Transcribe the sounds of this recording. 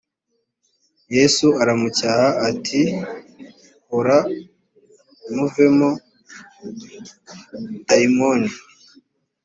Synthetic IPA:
jesuaɾamucahaːtʰi | hoɾa | muve̞mo | taimoni

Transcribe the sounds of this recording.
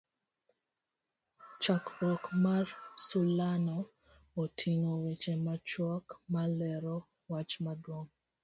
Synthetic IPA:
t͡ʃakɾɔkmarsulanɔː | tʰiŋowet͡ʃemat͡ʃwɔkmalɛɾɔ | wat͡ʃmadwoŋ

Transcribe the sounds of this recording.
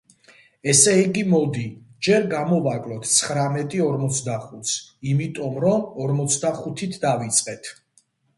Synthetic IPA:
ɛsɛiɡimɔd̪id͡ʒɛɾɡamɔvakʼlɔt̪ʰt̪sʰχɾamɛt̪ʼiɔɾmɔt̪sʰd̪aχut̪ʰsimit̪ʼɔmɾɔmɔɾmɔt̪sʰd̪aχut̪ʰit̪ʰd̪avit̪sʼqʼɛt̪ʰ

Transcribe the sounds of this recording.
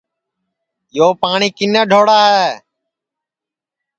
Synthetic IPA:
joːpaːɳiːkɪnəːɖʱoːɽaːɦeː

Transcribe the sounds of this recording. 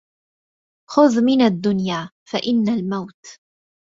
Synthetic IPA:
xʊðmɪnad̪ːʊnjaː | faʔɪnːalmawt̪

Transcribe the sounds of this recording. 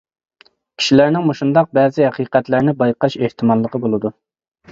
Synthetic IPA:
kʲʰi̥ʃilæɾnɪŋmoʃund̪ɑq̚bɛːzɪhɛqʰiqɛt̪læɾnɪbɑjqɑʃeht̪ʰɪmɑlˠːəqəbolˠɨd̪u

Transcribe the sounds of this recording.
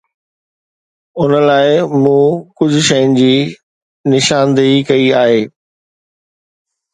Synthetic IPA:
ʊnəlaːɪmũːkʊd͡ʑʱʊ̆ʃɐjʊnɪ̆d͡ʑiː | nɪʃaːnd̪ikɐiaːɦeː

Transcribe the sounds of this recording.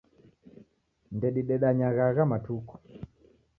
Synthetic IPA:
ndɛɗiɗɛɗaɲaɣaɣamatukɔ̥

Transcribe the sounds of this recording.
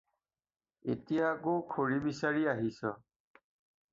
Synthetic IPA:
etijakokʰoɹibisaɹiaɦisɔ

